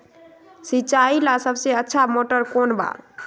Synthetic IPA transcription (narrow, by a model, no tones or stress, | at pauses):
sit͡ʃailasəbseətːʃʰamoʈəɾkonba̰